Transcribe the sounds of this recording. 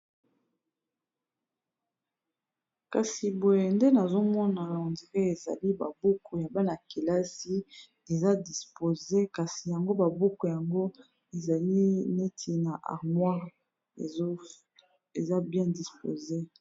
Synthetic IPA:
ka˨si˨bo˨je˨nde˦na˨zo˦mɔ˦na˨o˨ndi˨ke˦e˨za̰˨li˦ba̰˨bu˦kʰo˨ja˨ba˦na˨ke˨la˦si˦ | e˨za˦di˨spo˨ze˦ka˨si˨ja˨ŋɡo˦ba˨bu˦ko˨ja˨ŋɡo˦ | e˨za˨li˦ne˦tʰi˨na˨ʔa̰˨ʁmwa˦˨˦ | e˨za˦bjɛ̃˦di˨spo̰˨ze˦

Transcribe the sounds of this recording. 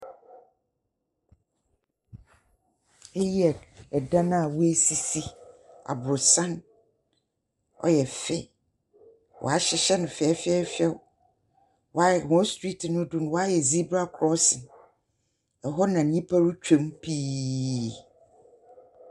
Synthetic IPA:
ɛ˦jɛ˨ɛ˨dã˦nã˦a˨wu˦æ˦si˨si˦a̰˨bʊ˨ɾʊ˨sã˦n | ɔ̰˦jɛ˨fɛ˦˨ | wʔɔ̰˨a˨ɕɪ˦ɕɛ˦nʊ̃˨fɛ˨ɛ˦fɪ˦ɛ˦fɛ˦w | wɔ˨˦a˦jɛ˨hɔ̃˦stɹi˦tʰnʊ̃˦dʊ˦nʊ̃˦wɔ˦a˦jɛ˨zi˦bɾa˦kʰɾɔ˦sɪ̃˨ | ɛ˨ɦɔ˦nã˨ɲĩ˦pʰa˦ɾu˦t͡ɕᶣẽ˦mpʰiː˦

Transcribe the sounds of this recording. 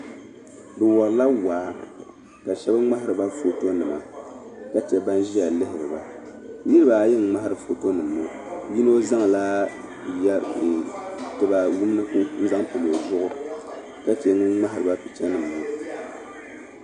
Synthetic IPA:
bɨ˨wɔ˨ɾla˦waː˨˦ | ka˨ʃɛ˦ba˦ŋ͡ma˦hɪ˦ɾɨ˨ba˦fo˨to˦nːɨ˨ma̰˨ka˦tɛ˨ba˦nʒi˦ja˨lɨ˦hɪ˨ɾɨ˨ba˨ | nɨ˦ɾɨ˦ba˨˦jɛ˦ŋ˨ŋ͡ma˦hɪ˦ɾɨ˨fo˨to˦nɨ˨mːo˨ | ji˦no˦za˦ŋ˨laː˦ | ja˦˨ | tɨ˨ba˨wu˦m˦nɨ˦ku˦n̩˦za˦ŋpɨ˨mo˨zʊ˦ʔʊ˦ | ka˦te˨˦ŋɨ˦ŋ͡ma˦ɦɪ˨ɾɨ˨ba˦pi˨t͡ʃɛ˦nɨ˨mːo˨

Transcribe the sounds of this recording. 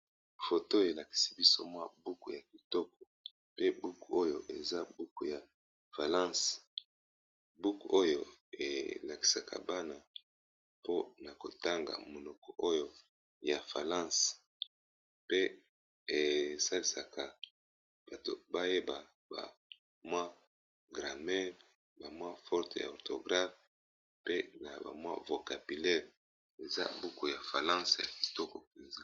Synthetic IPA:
fo˨to˦e˨la˨ki̥˨si̥˨bi˦so˦mwa˦bu˦ku˨ja˨ki˨tɔ˦kɔ̥˨ | pe˦bu˦ku˨o˦jo˨ʔe˨za˦bu˦ku˨ja˨ | fa˨lã˦s | bu˦ku˨o˦jo˨ḛ˨la˨ki̥˨sa˨ka̰˨ba˦na˨ | po˦na˨ko˨ta˦ŋɡa̰˨mo˨lɔ˨kɔ˨ʔo˦jo˦ | ja˨fa˨lã˦˨s | pe˦ | e˨sa˦li˨sa˨kʰa˨ | b̥a˨to̰˨ba˦je˦ba˨ | ba̰˨ | mwa˦ | ɡʁa˨mɛ˦ | ba˨mwa˦fɔ˦ʁte˨ja̰˨o˨ʁto˨ɡʁa˦f | pe˦na˨ba̰˨mwa̰˦vo˨ka˨bi˨lɛ˦ʁ | e˨za̰˦bu˦ko˨ja˨fa˨lã˦sja̰˨ki̥˨tɔ˦ko˨pe˨nza˦

